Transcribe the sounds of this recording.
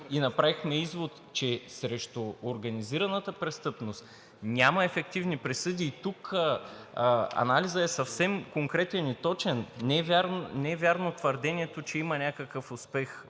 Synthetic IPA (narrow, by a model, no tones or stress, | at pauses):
inɐpɾavixmɛizvot̪ | t͡ʃɛsɾɛʃt̪ʊoɾɡɐniziɾɐnət̪əpɾɛst̪ɤpnost̪ | nʲamɐɛfɛk̚t̪ivnipɾɛsɤd̪iːt̪ukə | ɐ̰nalizəɛsɐfsɛmkoŋkɾɛt̪ɛnit̪ɔt͡ʃɛnːɛvʲaɾnɛɛvʲjaɾnot̪vəɾd̪ɛnʲiɛt̪ot͡ʃɛimənʲakəkəfʊspɛx